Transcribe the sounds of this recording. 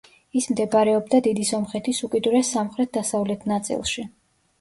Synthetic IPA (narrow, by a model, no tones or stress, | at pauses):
ismd̪ɛbaɾɛɔbd̪ad̪id̪isɔmχɛt̪ʰisukʼid̪uɾɛsamχɾɛt̪̚ʰd̪asavlɛt̪ʰnat̪sʼḭlˠʃi